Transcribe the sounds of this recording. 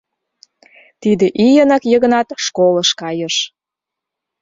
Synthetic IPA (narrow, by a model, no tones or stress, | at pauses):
t̪id̪eʔijənɑkjəɣə̆nɑt̪ʃkoləʃkɑjəʃ